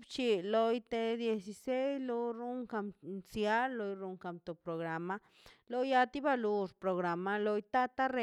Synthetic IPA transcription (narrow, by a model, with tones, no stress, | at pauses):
bt͡ʃi˧lo˧jt̪e˧d̪je˧si˧se˦slo˧ɾu˦ŋka˧mnsja˦lːo˧jɾu˧ŋka˧˨mt̪o˨pɾo˨ɣɾa˨ma˧ | lo˧ja˧t̪i˦ba˧lu˧ɾpɾo˨ɣɾa˨ma˧lo˧jt̪a˦t̪a˦ɾe˧